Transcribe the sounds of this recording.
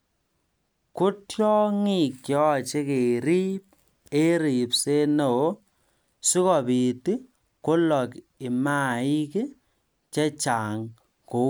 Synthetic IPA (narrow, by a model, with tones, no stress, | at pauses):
kʊ˦tjɔ˦ŋi˦˨kjɔ˦˨t͡ʃe˦ke˨ɾi˦p̚ | e˦ɾi˨pse˦no˨o˦ | si˦kɔ˨pi˨ti˦ | kʊ˦lɔ˨k | ɪ˨ma˦˨i˦ke˦ | t͡ʃɛ˦t͡ʃa˨ŋ | ko˨˦